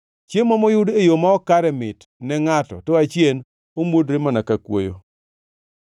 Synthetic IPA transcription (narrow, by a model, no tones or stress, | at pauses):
t͡ʃjemɔmɔjʊdejomaɔkaɾɛmɪt | nɛŋatɔ̰toat͡ʃjen | omwodɾemanakakwo̰jo̰